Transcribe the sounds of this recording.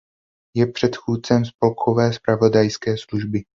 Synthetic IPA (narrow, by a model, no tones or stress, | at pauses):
jɛpr̝̥ɛt̪xuːtt͡sɛmspo̞lkʰo̞vɛːspɾavo̞dajskɛːsluʒbɪ